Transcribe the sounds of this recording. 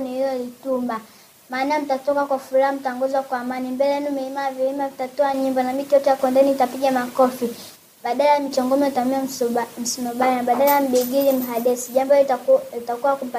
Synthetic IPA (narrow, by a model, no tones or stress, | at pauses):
nihilɔlitumba | maːnam̩tatɔkakwafuɾaham̩taɔŋɡɔzwakwaːmanimbɛlɛɛnumɛimaviimavitatɔaɲimbɔnamitiɔtɛjakɔndɛnitapiɡamakɔfi | ɓaɗalajamit͡ʃɔŋɡɔmɛitamiam̩sinɔɓanaɓaɗalajam̩ɓiɡiɾim̩ɦaɗɛsiʄambɔlitakuwakupa